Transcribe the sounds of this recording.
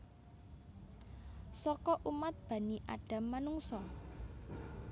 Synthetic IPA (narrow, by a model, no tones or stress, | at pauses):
sɔkɔʔumat̪̚b̥a̤niʔa̰ɖ̥a̤mːanuŋsɔ